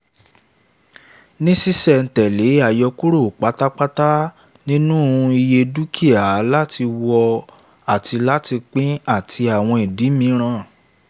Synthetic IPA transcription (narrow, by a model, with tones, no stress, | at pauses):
nĩ˦si˦sɛ˨n̩˨tɛ˨le˨˦a˦˨jɔ˧ku˦ɾo˦˨k͡pa˨˦ta˦k͡pa˦ta˦ | nĩ˦nũ˦˨˧i˧je˧du˦kʰi˦a˨la˦tʰi˧wɔ˧ | a˨ti˧la˦ti˧k͡pĩ˦a˦˨tʰi˧a˨w̃ɔ̃˧e˨di˨˦mĩ˧ɾ̃ã˦˨